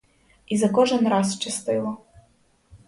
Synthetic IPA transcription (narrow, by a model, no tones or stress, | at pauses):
izɐkɔʒɛnɾɑst͡ʃɪst̪ɪlˠɔ